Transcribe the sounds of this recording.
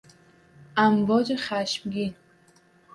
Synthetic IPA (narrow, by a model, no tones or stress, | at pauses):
ʔamvɔd͡ʒiχaʃmɡin